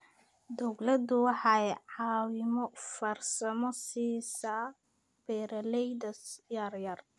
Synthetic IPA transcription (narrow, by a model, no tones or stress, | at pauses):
d̪ɔwlɐd̪ʊwɑħɑjʕɑːwɪmɔfɐrsɐmɔsiːsa | b̥ɛːɾɐlɛjd̪ɐjarjɐr